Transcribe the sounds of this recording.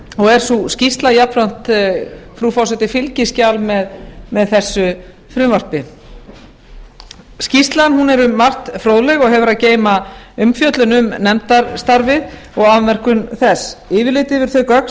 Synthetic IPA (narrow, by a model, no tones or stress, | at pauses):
ɔɣɛɾ̥suscist̪lajapfɾan̥t̪fɾuːfɔwsɛt̪ɪfɪlcɪscawlmɛðmɛðθɛsːʏ | fɾʏmvar̥p̪ɪ | scist̪lanhɦunɛɾʏmːar̥t̪fɾowðlɛɣɔɣɦɛvʏɾaðceːjmaʏmfjœt̪lʏnʏmnɛmt̪aɾst̪aɾvɪð | ɔɣaðmɛr̥kʏnθɛsɪːvɪɾlɪːt̪ɪvɪɾ̥θʏkœk